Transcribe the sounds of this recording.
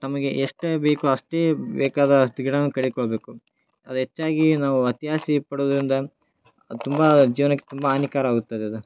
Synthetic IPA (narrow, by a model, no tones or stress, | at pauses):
t̪ɐmɐɡeʔeʂʈbekuɐʂʈeːbɛːkaːd̪ɐt̪iɡɽɐnːukɐɽikɔɭɐbeːku | ɐd̪uɦet͡ʃːaːɡinaːʋuɐt̪iɦaːsipɐɽoːd̪ɐɾind̪ɐ | t̪umbɐd͡ʒiːʋɐnɐkːe̥t̪umbɐɐnikaːɾɐaːɡut̪ːad̪eɐd̪u